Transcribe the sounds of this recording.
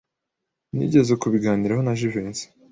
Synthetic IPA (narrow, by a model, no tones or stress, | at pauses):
nḭːɟe̞zekuβiɡaːniɾaɦonaʒiveːnsi̥